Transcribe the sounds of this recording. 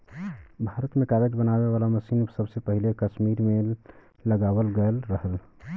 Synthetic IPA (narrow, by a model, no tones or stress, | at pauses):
bʱaɾət̪mekaɾed͡ʒbənabeβalaməsinsəbsepəɦilekəsmiɾme | ləɡabəlɡəlɾəɦəl